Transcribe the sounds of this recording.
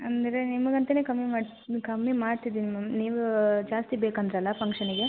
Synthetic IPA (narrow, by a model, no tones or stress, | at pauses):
ɐnd̪ɐɾe̞nimɐɡɐnt̪ɐne̞ːkɐmːimaːɖ | kɐmːimaːɽt̪id̪iːnimɐniːʋud͡ʒaːst̪ibeːkɐnd̪ɾɐlːɐpɐŋkʂɐniɡe̞